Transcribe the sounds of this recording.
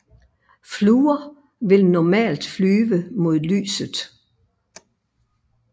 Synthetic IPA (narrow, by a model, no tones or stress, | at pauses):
fluːɐ | ʋe̝lnɒmɛ̰ːld̥flyːʋəmo̝ð̰ˠly̰ːsð̩ˠ